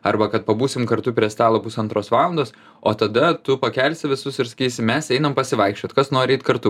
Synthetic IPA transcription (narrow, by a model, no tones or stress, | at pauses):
ɐrbɐkɐt̪̚pɐbuːsʲɪmkɐɾt̪ʊpʲɾʲiɛst̪ɑːlˠoːpʊsɐnt̪ɾoːsʋɑːlˠɐnd̪oːs | oːt̪ɐd̪ɐt̪ʊpɐkʲɛlʲsʲɪʋʲɪsʊsɪɾsɐ̥kʲiːsʲɪmʲɛsɛɪnɐmpɐsʲɪʋɐɪkʃʲt͡ʃʲoːt̪kɐsnoːɾʲiːt̪kɐɾt̪ʊ